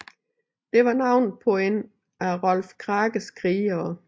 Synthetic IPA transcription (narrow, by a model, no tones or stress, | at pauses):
d̥e̝ʋɑ̈nɑ̈ʊ̰npʰɔen | æʁɒlfkʰʁɑːɡ̥əsɡ̥ʁiːɐː